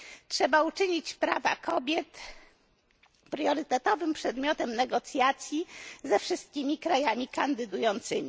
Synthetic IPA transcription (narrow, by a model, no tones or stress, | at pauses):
tʂɛbaut͡ʂɘɲit͡ɕpɾava̰kʰɔbʲjɛt̪ | pɾjɔɾɘt̪ɛt̪ɔvɘmpʂɛd̪mʲjɔt̪ɛmnɛɡɔt̪sʲjat̪sʲjizɛfʂɘst̪̚kʲimʲikɾajamʲikand̪ɘd̪ujɔnt̪sɘmʲi